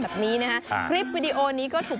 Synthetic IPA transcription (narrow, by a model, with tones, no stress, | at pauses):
bɛː˨˩p̚niː˦˥na˦˥kʰa˦˥ʔkʰɾi˦˥p̚wiː˧di˧ʔoː˧niː˦˥kɔː˥˩t̪ʰuː˨˩